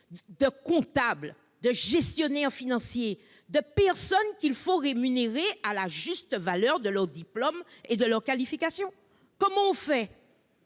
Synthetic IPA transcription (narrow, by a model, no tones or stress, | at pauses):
d̪əkɔ̃t̪abl | d̪əʒɛst̪jonɛʁfinɑ̃sje | d̪əpɛʁsɔnkʲilfoʁemyneʁealaʒyst̪əvalœʁd̪əlœʁd̪iplomed̪əlœʁkalifikasjɔ̃ | kɔmɑ̃ɔ̃fɛ